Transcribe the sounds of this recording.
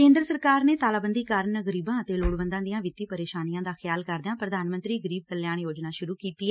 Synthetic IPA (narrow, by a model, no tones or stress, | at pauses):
kẽːnd̪ɾəsəɾkaːɾneːt̪aːlaːbənd̪iːkaːɾnɡəɾiːbãːət̪eːloːɽbə̃nd̪ãːd̪ɪjãːʋɪt̪ːiːpəɾeːʃaːnijãːd̪aːxʰɪjaːlkəɾd̪ɪãːpɾəd̪aːnmənt̪ɾiːɡəɾiːb̚kəljaːɳjoːd͡ʒnaːʃʊɾuːkiːt̪iːɛː